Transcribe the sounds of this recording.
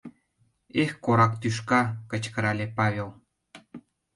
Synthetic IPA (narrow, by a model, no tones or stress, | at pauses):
exkoɾɑkt̪yʃ̬kɑkə̆t͡ɕkə̆ɾɑlʲepɑβʲelˠ